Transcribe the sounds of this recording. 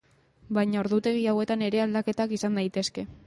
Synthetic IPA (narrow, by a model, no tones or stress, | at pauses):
bajɲao̞ɾðut̪e̞ɣ̞iawe̞t̪ane̞ɾe̞ald̪ake̞t̪akisand̪ajt̪e̞ske̞